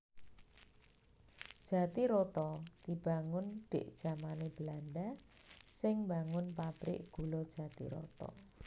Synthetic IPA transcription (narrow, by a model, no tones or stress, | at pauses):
d̥ʒ̥a̤t̪iɾot̪ɔt̪ib̥a̤ŋʊnɖ̥eʔd̥ʒ̥a̤maneb̥əlanɖa | sɪŋmbaŋʊnpab̥ɾɪ̰ʔɡ̥ṳlɔd̥ʒ̥ä̤t̪ḭɾo̰t̪ɔ̰